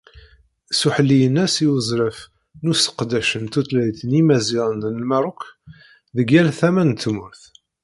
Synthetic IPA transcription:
suħəlːijənːæsiwəzˤɾəf | nusə̥qd̪æʃənt̪ut̪læjθənimæziɾˤənd̪nəlmæɾˤʊk | ðəɡælθæmænt̪ːmʊɾθ

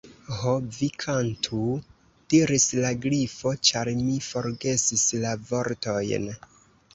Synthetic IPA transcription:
hobvikʰantʰu | d̥iɾislaɡɾifo̞t͡ʃaɾmifo̞ɾɡe̞sislavo̞ɾto̞jn

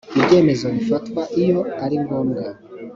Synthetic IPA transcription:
ibɟe̞ːme̞zoβifatkwaʔijo̞aɾiŋɡo̞ːmɡa

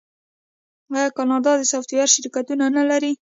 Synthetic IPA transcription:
ɑjɑkɑnɑd̪ɑd̪əsaft̪ijɑɾʃɪɾkat̪unanalaɾi

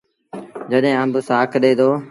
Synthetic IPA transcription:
d͡ʒəɗɦẽːə̃mbəsaːkʰɗeːd̪oː

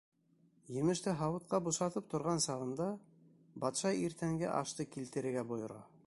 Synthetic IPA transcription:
jɘ̆mɘ̆ʃt̪ɘɦɑwɤ̆t̪̚qɑbuʃɑt̪ɤp̚t̪ŏɾʁɑnsɑʁɤ̆nd̪ɑ | bɑt̪ʃɑiɾt̪æŋɡɘ̰ʔɑ̰ʃt̪ɤkilt̪ɘ̆ɾɘ̆ɾɡæbŏjŏɾɑ̰

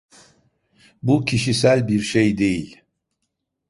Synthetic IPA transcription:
bucʰiʃisælʲbiɾʃejd̪e̞jilʲ

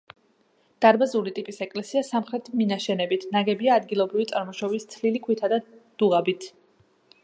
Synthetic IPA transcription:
d̪̥aɾbazulit̪ʼipʼisɛkʼlɛsiasamχɾɛt̪ʰminaʃɛnɛbit̪ʰnaɡɛbiaːd̪ɡilˠɔbɾivit̪sʼaɾmɔʃɔbist̪sʰlilikʰwit̪ʰad̪ad̪̥uʁabit̪ʰ

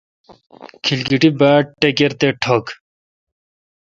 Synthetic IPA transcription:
kʰilɡiʈibaːʈʈːekeɾt̪eʈʰok

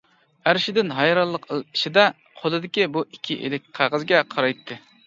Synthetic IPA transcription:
æɾɪʃɪd̪ɪnɦɑjɾɑlˠːəqli̥ʃid̪ɛ | qʰolˠɨd̪ɪkʲibuikʲʰːiʔḛlɪk̚ʲqʰæʁəzɡʲɛqʰɑɾɑjt̪ʰːɨ

